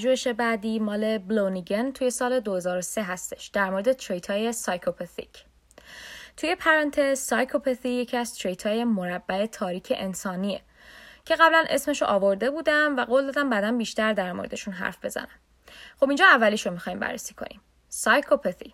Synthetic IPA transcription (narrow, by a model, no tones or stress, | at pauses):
d͡ʒueʃe̞bæd̪iːmɒːle̞bloniɟent̪ʰuje̞sɒːle̞d̪ohezɒːɾose̞ɦæst̪e̞ʃd̪̥æɾmo̞ɾed̪e̞t̪ʰɾejt̪ʰɒːje̞sɒjkʰopʰet̪ḭcʰ | t̪ʰuje̞pʰæɾɑnt̪ʰezːɒjkʰopʰeθije̞cʰiæz̥t̪ʰɾejt̪ʰɒːje̞moɾæbːæe̞t̪ʰɒːɾiːcʰeʔensɒːniḛ | cʰe̞ɣæblænʔe̞sme̞ʃoʔɒːvo̞ɾd̪e̞buːd̪æmvæɡoːld̪ɒːd̪æmbæd̪ænbiːʃt̪æɾd̪æɾmo̰ɾe̞d̪eʃunɦæ̰ɾfbe̞zæ̰næm | χo̞bind͡ʒɒːævːæliːʃomixɒːjiːmbæ̰rːesiːkʰo̰nḭm | sɒjkʰopʰet̪i